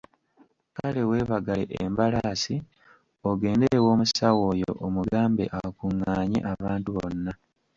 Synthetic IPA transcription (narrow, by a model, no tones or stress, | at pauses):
kale̞we̞ːβaɡalḛʔembalasi | oɡe̞ːnde̞ɾe̞wo̞ːmusawo̞ːjoo̞̰ʔomuɡaːmbe̞̰ʔakuŋːaːɲḛʔaβaːntuβo̞̰nːa